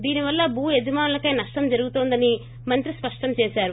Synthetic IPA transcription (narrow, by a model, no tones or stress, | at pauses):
d̪iːniʋɐlːɐbʱuːjed͡ʒɐmaːnulɐkɐjnɐʂʈɐmd͡ʒɐɾuɡut̪oːnd̪ɐni | mɐnt̪ɾispɐʂʈɐmt͡ʃeːsaːɾu